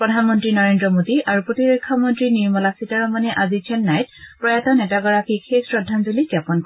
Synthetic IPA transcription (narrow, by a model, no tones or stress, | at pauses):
pɹɔdʱanmɔntɹinɔɹendɹɔmodiaɹupɹotiɹɔkʰːɔmɔntɹiniɹmɔlasitaɹɔmanɛʔazit͡ʃʰɛnːajt̚pɹɔjatɔnɛtaɡɔɹakikʰesɹɔdʱanzuliɡjapɔnk